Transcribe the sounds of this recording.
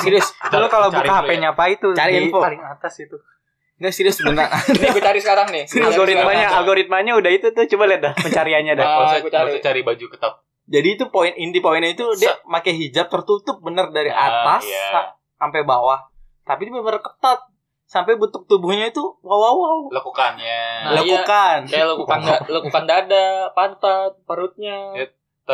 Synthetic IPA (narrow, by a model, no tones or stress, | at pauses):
siɾiʊskalokalabukaɦaaɲapait̪ut͡ʃaɾialɪŋat̪asit̪u | ŋɡaʔsiɾiʊsbənaɾdkut͡ʃaɾisəkaɾaŋnɪsɾoɾit̪maɲaalɡoɾit̪̚maɲaudahit̪ut̪ut͡ʃubaliat̪̚dahpəɲt͡ʃaɾiaɲadaskut͡ʃat͡ʃaɾibad͡ʒukət̪at̪̚ | d͡ʒadiːt̪upoɪnindipoinit̪udɛmakajɦid͡ʒap̚t̪ərt̪ut̪ʊp̚bənərdaɾiʔa̰t̪asa | ampajbawah | t̪apiubəmərkə̥t̪at̪̚ | sampajbət̪ʊk̚t̪ubuhɲait̪uwawawawlakukanjanalakukankajalakukanalakukandaːdapant̪at̪̚pəɾut̪̚ɲa